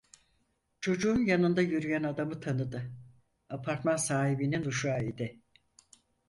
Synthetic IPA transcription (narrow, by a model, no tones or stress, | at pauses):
t͡ʃʰo̞d͡ʒuːnjanɯnd̪ajyɾyjænad̪amɯt̪ʰanɯd̪ɯ | apʰaɾt̪mansaːɦibininuʃaːid̪ɪ